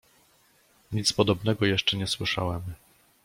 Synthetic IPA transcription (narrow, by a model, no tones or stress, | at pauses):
ɲit̪spɔd̪ɔbnɛɡɔjɛʂt͡ʂɛɲɛswɘʂa̰wɛm